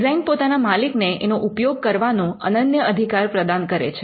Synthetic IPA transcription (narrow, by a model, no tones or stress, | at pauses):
ɾɛ̃ŋɡ̚pot̪anamalikneʔḛnoʔupjoɡ̚kəɾʋanõə̰nənjəəd̪ʱikaɾpɾəd̪ankəɾḛt͡ʃʰe